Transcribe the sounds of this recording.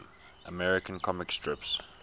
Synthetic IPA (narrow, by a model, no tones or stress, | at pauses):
ʔəmɛɹɪkə̃nkʰɔmɪkstʰɹ̥ɪps